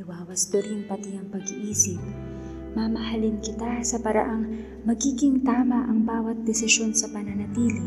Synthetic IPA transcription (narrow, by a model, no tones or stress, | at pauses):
ɪwaːwɐsd̪ɛɾʊŋpɐt̪iɐŋpɐɡiʔiːsɪp̚ | mɐmɐɦɐlɪnkɪt̪asɐpɐɾɐ̰ʔaŋ | mɐɡiːɡɪŋt̪aːmɐʔɐŋbaːwɐt̪̚d̪ɛsɪʃo̞nsɐpɐnɐnɐt̪iːlɪ